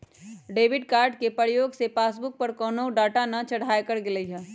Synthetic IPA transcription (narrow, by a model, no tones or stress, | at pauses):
ɖeːʋɪɖkaːɾɖkepəɾjoːɡsepaːsbʊk̚pɐɾkɔːnoɖaːʈanɐt͡ʃɐɽ̤aːjkəɾɡɪləiɦɛ̃ː